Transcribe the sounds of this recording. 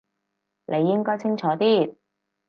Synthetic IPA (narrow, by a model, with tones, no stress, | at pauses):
nʔe˨˧jːɪ˥ŋkɔː˥jt͡sʰɪ˥ŋt͡ʃʰɔː˨˥t̪iː˥